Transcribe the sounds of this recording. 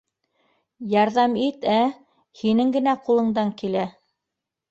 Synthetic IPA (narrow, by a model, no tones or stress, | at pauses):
jɑɾðɑmit̪æ | hinɘŋɡɘ̆næqulˠɤ̆ɴd̪ɑŋkilæ